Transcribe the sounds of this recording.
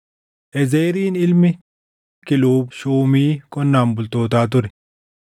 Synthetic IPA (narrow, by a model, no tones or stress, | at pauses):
ʔɛzeːɾiːnɪlmɪ | kɪluːbʃuːmiːkʼɔnːaːmbʊlt̪oːt̪aːt̪̬ʊɾɛ